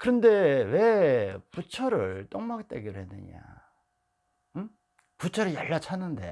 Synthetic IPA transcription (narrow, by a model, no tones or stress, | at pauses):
kɯɾʌnde̞we̞put͡ɕʰʌɾɯɭt͈oŋmak̚t͈ḛɡiɾɯhenɯ̰ɲa̰ | ɯ | put͡ɕʰʌɾɯɭjaɭːat͡ɕʰanːɯnde̞̰